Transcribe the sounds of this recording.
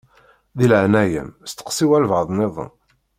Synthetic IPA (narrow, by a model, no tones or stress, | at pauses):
ðilʕnæjə̰mst̪ːə̥qsˤiwælvəðˤneðˤə̰n